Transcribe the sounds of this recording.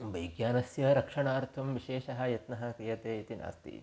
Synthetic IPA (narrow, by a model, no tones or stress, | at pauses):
ʋɐjɡjaːnɐsjɐɾɐkʂɐɳaːɾt̪ʰumʋiʃeːʃɐɦɐ̆jɐt̪nɐɦɐ̆kɾijɐt̪eːit̪ina̰ːst̪ḭ